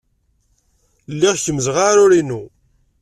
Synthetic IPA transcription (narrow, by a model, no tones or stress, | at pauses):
lːiʁçəməzʁaɾʊɾinu